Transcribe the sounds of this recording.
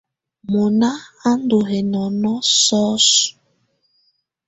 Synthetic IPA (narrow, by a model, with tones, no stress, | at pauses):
mo˨na˦a˦n˦do˨ɦe˨nɔ˨nɔ˦sɔ˦su̥˨